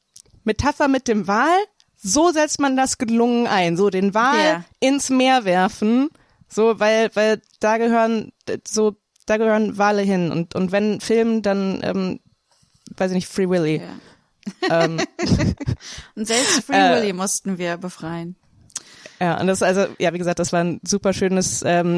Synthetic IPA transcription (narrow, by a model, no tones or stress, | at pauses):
metʰafɐmɪt̚d̥eːmvaːl | zoːzɛt͡stmandasɡ̥əlʊŋənʔaɪnzoːdeːnvaːlɪnsmeːɐvɛɐfn̩ | z̥oːvaɪlvaɪl | d̥aːɡəɦøːʁənzoː | d̥aːɡəhøːʁənvaːləɦɪnʊ̰ntʔʊ̰ntv̥ɛnfɪlməndanʔɛ̰ːm | vaɪsɪçnɪçfʁ̥iːvɪli | ʔɛm | ʊntz̥ɛlpstfʁ̥iɛːvɪlimʊstn̩viːɐbəfʁ̥aɪən | jaːʔʊ̰nt̚d̥asʔalzojʔaːviːɡəzaːkt̚d̥asv̥aːɐnzuːpɐʃøːnəsʔɛːm